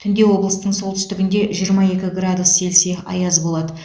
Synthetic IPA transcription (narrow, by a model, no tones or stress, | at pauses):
t̪ʰʏnd̪e̞wo̞blˠəst̪əɴsolˠt̪ʰʏ̥st̪ɪɡʲɪnd̪e̞ʒijəɾmɑe̞kʲɪɡrad̪usːe̞lse̞ɑ̰jɑzbo̞lˠɑd̪ə